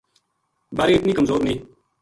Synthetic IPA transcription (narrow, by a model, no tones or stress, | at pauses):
baːɾeːɪt̪niːkəmzoːɾnĩː